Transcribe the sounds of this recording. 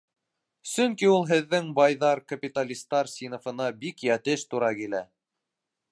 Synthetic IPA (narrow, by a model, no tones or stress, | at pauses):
sɵŋkiulˠɦɘ̆ðːɘŋbɑjðɑɾkɐpʲit̪alʲist̪ɑɾsʲinŏfɤ̆nɑbikjæt̪ɘʃt̪uɾɑkilæ